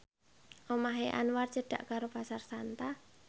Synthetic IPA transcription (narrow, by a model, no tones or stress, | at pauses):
ʔomaɦeʔa̰nwart͡ʃəɖ̥a̰ʔkaɾopasarsant̪a